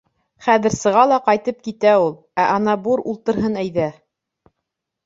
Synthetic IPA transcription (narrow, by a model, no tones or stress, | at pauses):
χæðɘ̆ɾsɤ̆ʁɑlˠɑqɑjt̪ɤp̚kit̪æulˠ | æʔɑnɑbuɾulˠt̪ɤ̆ɾɦɤnæjðæ